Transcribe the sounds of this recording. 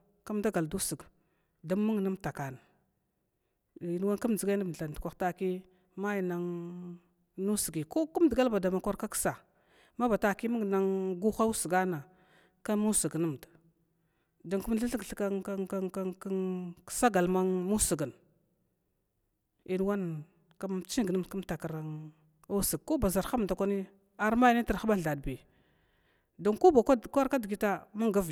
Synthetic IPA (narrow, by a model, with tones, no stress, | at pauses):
ka˦mda˦ɡa˨ldu˦si˨ɡ | da˨˦mːə˦ŋ˨na˦mta˨ka˨na˨ | i˨n˦wa˦nku˦m˨d͡zi˨ɡa˦na˦˨ɬa˨n˨dkʷa˨xta˦ki˦ | ma˦ji˨na˦ŋ | nu˦si˨ɡi˨ko˦ku˦m˦dɡa˦lba˨da˨ma˨kʷa˦ɾka˦ksa˨ | ma˦ba˨ta˦ki˦mə˦ŋ˨na˦ŋɡu˦xa˦u˦sə˨ɡa˦na˨ | ka˦mu˦si˨ɡnə˦m˨da˨ | do˨ŋku˦m˦ɬa˦ɬə˦ɡɬka˦sa˦ɡa˨lma˦ŋmu˦su˨ɡə˨n | i˨n˦wa˦n | ka˦m˦t͡ʃi˦ŋɡə˦m˨ku˦m˦ta˨ka˨ɾa˨ŋ | u˦sə˨ɡ̚ko˦ba˨za˨ɾxa˦m˨da˨kʷa˦ni˦ | a˨ɾma˦jni˦ti˨ɾxɓa˦ɮa˨dbi˨ | do˨ŋku˦ba˨˦kʷa˦ɾka˦dɡi˦ta˦ma˦ŋɡa˦v